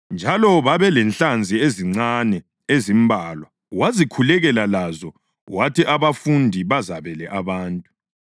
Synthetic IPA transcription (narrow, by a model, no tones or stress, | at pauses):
nd͡ʒʱalɔβaβɛlɛnɬand͡zʱieziŋ͡ǀanɛ | ezimbʱaːlwa | wazikʰulɛɣɛlalazɔ | watʰiʔaβafundʱiβazaβɛlɛʔaβaːntʼu